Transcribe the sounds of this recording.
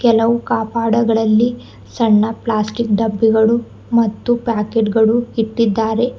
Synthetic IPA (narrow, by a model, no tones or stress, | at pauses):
kɛlɐʋukaːpaːɽɐɡɐɭɐlːi | sɐɳːɐplaːsʈikɖɐbːiɡɐɭu | mɐt̪ːupaːkeːʈɡɐɭuiʈːid̪ːaːɾe̞